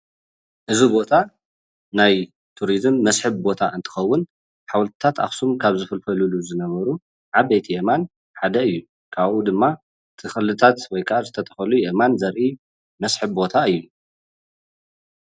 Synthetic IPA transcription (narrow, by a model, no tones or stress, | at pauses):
ʔɨzibo̞t̪ʰa | naj | t̪ʰuɾizɨmːɐsħɨβbo̞t̪ʰaʔɨnt̪ʰɨ̥xɐwːʊn | ħawlt̪ʰɨ̥t̪ʰat̪a̰xsumkʰaβzɨfɨlfɐluluzɨnɐβɐɾu | ʕabet̪ʰijeman | ħad̪ɐɨjːu | kʰaβʔud̪ɨmːa | ɨt̪ʰɨxɨlːɨt̪ʰat̪wɔjkʰazɨt̪ʰɐt̪ʰɐ̥xɐlujemanzɐɾʔi | mɐsħɨβbo̞t̪ʰaɨjːu